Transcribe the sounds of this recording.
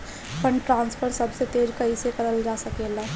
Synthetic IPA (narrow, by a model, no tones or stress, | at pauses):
pəɳʈɾãːnspʰəɾsəbset̪eːɾkɐɦisekɐɾəld͡ʒaːsəkelaː